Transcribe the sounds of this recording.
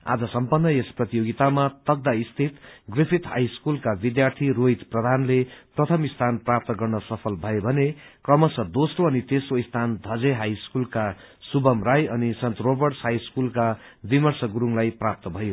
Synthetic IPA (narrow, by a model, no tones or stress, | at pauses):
a̰d͡zʌsʌmpʌnːʌesprʌt̪ijoɡit̪amat̪ʌɡ̚d̪aist̪ʰit̪ɡripʰit̪ha̰jskulkabid̪jart̪ʰiroit̪prʌd̪ʱanleprʌt̪ʰʌmist̪ʰanprap̚t̪ʌɡʌrnʌsʌpʰʌlbʱʌebʱʌnekrʌmʌsʌd̪osroʌnit̪esoist̪ʰand̪ʱʌd͡zeɦajskulka | subʌmrajʌnisʌnt̪robʌrʈshajskulkabimʌrsʌɡuɾuŋlajprap̚t̪ʌbʱʌjo